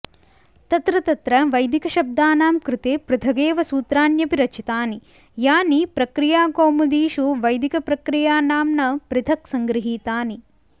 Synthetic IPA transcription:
t̪ɐt̪ɾɐt̪ɐt̪ɾɐʋɐjd̪ikɐʃɐb̚d̪aːnaːmkɾɪt̪eːpɾɪt̪ʰɐɡeːʋɐsuːt̪ɾaːnjɐpiɾɐt͡ʃit̪aːni | jaːnipɾɐkɾijaːɡoːmud̪iːʃuʋɐjd̪ikɐpɾɐkɾijaːnaːmnɐpɾɪt̪ʰɐksɐŋɡɾiɦiːt̪aːni

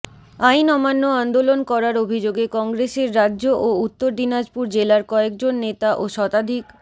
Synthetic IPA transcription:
ajnɔmanːoand̪olonkɔɾaɾobʱid͡ʑoɡekɔŋɡɾeʃeɾːadːʑoʔout̪ːoɾd̪inad͡ʑpuɾd͡ʑelaɾkɔek̚d͡ʑonːet̪aʔoʃɔt̪ad̪ʱik

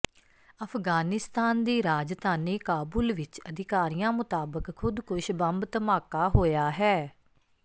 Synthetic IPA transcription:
əpʰɡaːnɪst̪aːnd̪iːɾaːd͡ʒt̪aːniːkaːbuːlʋɪt͡ʃəd̪ɪkaːɾijãːmʊt̪aːbəkʰːʊd̪kʊʃbəmbt̪əmaːkaːɦoːjaːɦɛː

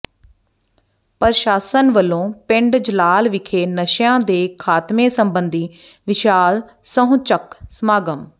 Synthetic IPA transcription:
pəɾʃaːsənʋəlːõːpɪ̃ɳɖd͡ʒəlaːlʋɪkʰeːnəʃjãːd̪eːkʰaːt̪mẽːsəmbənd̪iːʋɪʃaːl | səɦũt͡ʃəksmaːɡəm

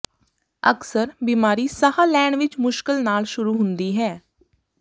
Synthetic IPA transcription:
ə̰ksəɾbiːmaːɾiːsəhaːlɛːɳʋɪt͡ʃmʊʃkəlnaːlʃʊɾuːɦʊnd̪iːɦɛː

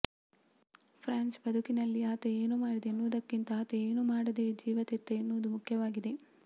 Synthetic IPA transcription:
pʰɾaːnsbɐd̪ʱukinɐlːiaːt̪ee̞ːnuːmaːɽid̪enːuːd̪ɐkːint̪ɐaːt̪eeːnuːmaːɽɐd̪e̞ːd͡ʒiːʋɐt̪et̪ːenːuːd̪umukʰjɐʋaːɡid̪e̞

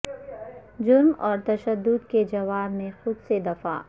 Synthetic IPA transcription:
d͡ʒʊɾmɔːɾt̪ɐʃəd̪ːʊd̪ked͡ʒɐʋaːɾmẽxʊd̪sed̪ɐfa̰ː

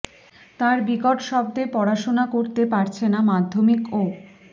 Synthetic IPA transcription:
t̪aɾbikoʈʃɔb̚d̪epɔɾaʃonakoɾt̪epaɾt͡ɕʰenamad̪ʱːomiko

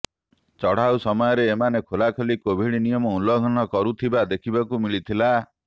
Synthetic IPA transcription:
t͡ʃɔɽ̤awsɔmɔjɔɾeːmanekʰolakʰolikobʱiɽinijɔmɔulɔɡʱɔñɔkɔɾut̪ʰibad̪ekʰibakumilit̪ʰila

